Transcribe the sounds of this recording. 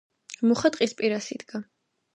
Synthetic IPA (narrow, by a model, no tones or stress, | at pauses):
muχat̪ʼqʼispʼiɾasid̪ɡa